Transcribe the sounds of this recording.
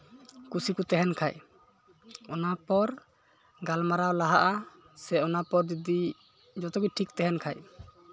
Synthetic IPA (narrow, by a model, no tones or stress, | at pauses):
kusikut̪ɛɦɛnkʰaj | ɔnapɔɾ | ɡalmaɾawlaɦaʔa | sɛɔnapɔɾd̪id̪i | d͡ʒɔt̪ɔɡiʈʰikt̪ɛɦɛnkʰaj